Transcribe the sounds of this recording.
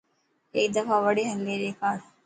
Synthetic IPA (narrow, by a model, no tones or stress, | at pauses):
eid̪ɐfaːʋɐɽiɦɐlːeːɾekaːɾ